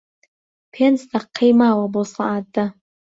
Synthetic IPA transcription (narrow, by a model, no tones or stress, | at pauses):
pʰensd̪aqʰːejmawabosaʔat̚ːa